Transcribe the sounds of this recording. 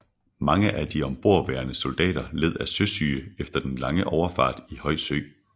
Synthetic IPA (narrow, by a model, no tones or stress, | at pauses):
mɑ̈ŋəʔæd̥iɒ̽mb̥o̝ɐ̰ʋæːɐnəso̝ld̥ɛ̰ːɾ̥ɐle̝ð̞̰ˠæsøsy̰ːefd̥ɐd̥enlɑ̈ŋəʔɒʊɐfɑ̰̈ːd̥ihɒ̽ɪ̰søɪ̰